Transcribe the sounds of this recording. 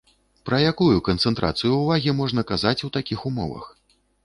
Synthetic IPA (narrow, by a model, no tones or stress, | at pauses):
pɾɐjakujukɐnt̪sɛnt̪ɾʔa̰t̪sɨjuːvaɣʲimɔʐnɐkazat͡sʲut̪akʲixumɔ̰vɐ̰x